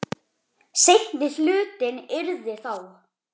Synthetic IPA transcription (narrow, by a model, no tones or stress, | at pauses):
sejhnɪθlʏːt̪ɪnɪɾðɪθaw